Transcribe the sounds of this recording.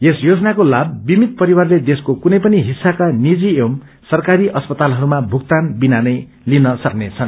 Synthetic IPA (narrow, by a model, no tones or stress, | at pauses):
esjod͡zʌnakolabːimit̪̚pʌɾiwarled̪eskokunʌjpʌniɦisːakanid͡ziem | sʌrkaɾiʔʌspʌt̪alɦʌɾumabʱuk̚t̪anbinanʌj | linʌsʌknet͡sʰʌn